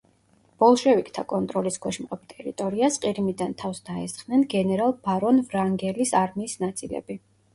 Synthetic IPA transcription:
b̥ɔlˠʃɛvikʼt̪ʰakʼɔnt̪ʼɾɔlisɡwɛʃmqʼɛp̚ʰt̪ʼɛɾit̪ʼɔɾiasqʼiɾimid̪ant̪ʰafsd̪aɛst̪χnɛnɡɛnɛɾalˠbaɾɔnvɾaŋɡɛlisaɾmiːsnat̪sʼilɛ̰bi

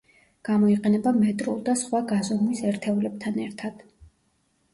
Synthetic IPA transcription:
ɡ̥amɔiqʼɛnɛbamɛt̪ʼɾulˠd̪asχwaɡazɔmuisɛɾt̪ʰɛulɛb̚t̪ʰanɛɾt̪ʰad̪̥

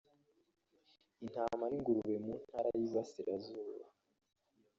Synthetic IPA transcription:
in̥hamaɾiŋɡuɾuβemun̥haːɾajiβasiɾazuːβa

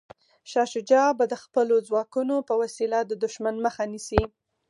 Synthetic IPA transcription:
ʃɑʃʊd͡ʒɑbad̪əxpəlozwɑkunopəwasilad̪əd̪ʊʃmanməxanisi

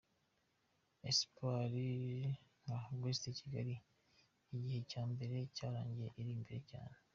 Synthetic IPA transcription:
espwaɾi | ŋaɡwestecʰiɡaɾiː | ɟihe̞caːmbe̞ɾe̞caːɾa̰ːɲɟijeʔiɾiːmbiɾeca̰ːne

